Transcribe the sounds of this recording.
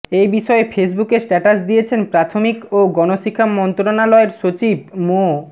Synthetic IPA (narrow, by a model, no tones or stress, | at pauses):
ejbiʃɔefʰes̬bukeɾsʈɛʈasd̪ijet͡ɕʰenpɾat̪ʰomikoɡɔnoʃikʰːamːɔnt̪ɾonalɔeɾʃot͡ɕib̚mo